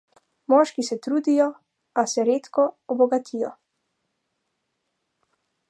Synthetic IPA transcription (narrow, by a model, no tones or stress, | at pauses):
mɔːʃkisɛt̪ɾuːd̪ijɔ | asɛɾeːt̪kɔɔbɔɡat̪ʰijɔ̰